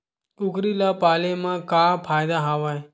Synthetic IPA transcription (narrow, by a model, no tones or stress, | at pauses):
ʊkɾilapalemãkapʰajd̪aɦaʋaj